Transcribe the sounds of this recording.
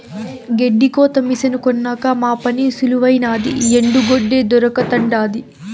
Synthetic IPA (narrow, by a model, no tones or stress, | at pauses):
ɡe̞ɖːiko̞ːt̪ɐmisɐnukɔnːaːkɐmaːpɐnisuluʋɐjnaːd̪ḭeɳɖuɡoɖːeːd̪ɔɾɐkɐt̪ɐɳɖaːd̪i